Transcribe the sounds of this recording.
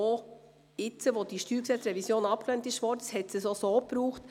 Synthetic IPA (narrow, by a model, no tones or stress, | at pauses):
o | ɪt͡səʋod̥iʃtyːɾksɛt͡sɾɛvisjoːnɑp̚klɛntɪʃʋɔːdəshɛtsəsosoːpɾuːχt